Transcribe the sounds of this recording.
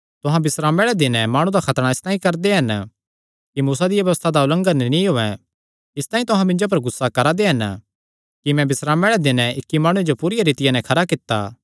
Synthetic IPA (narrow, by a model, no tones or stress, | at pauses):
t̪ʊɦãbɪsɾaːmɛɽɛd̪ɪnɛ̃maːɽ̃ũd̪akʰɐt̪ɽ̃aɪst̪ãːĩkɐɾd̪eɦɐn | kimuːsad̪ɪjabjɐʋəst̪ʰad̪aʊlə̃ŋɡənnĩɦoːɛ | ɪst̪ãːĩt̪ʊɦãmɪ̃nd͡ʒop̬ɐɾɡʊsːakɐɾad̪eɦɐn | kimɛ̃bɪsɾaːmɛɽɛd̪ɪnɛɪkːimaːɽ̃ũed͡ʒopuːɾɪjaɾiːt̪ɪjanɛ̃kʰɐɾakɪt̪ːa̰ː